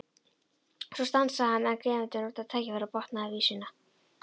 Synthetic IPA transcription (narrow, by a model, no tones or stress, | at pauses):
sɔst̪ansahanːɛnkɾɛːmɪnt̪ʏnut̪at̪ʰɛːcɪvɛːɾapɔht̪naavisiːna